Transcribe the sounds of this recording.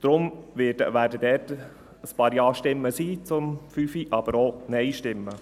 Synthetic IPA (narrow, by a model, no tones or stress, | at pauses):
d̪̥ɾʊmʋɪːdəʋæːɾdədɛːt | əspɑːɾjɑːʃtɪmːəsiːt͡sʊmfyːfiʔɑb̥əɾonɛɪʃtɪmːə